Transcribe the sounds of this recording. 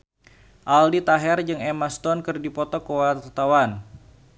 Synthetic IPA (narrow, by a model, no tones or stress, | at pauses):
ʔaldit̪aɦɛrd͡ʒɨŋɛmast̪ɔnkɨrdipɔt̪ɔkowat̪awan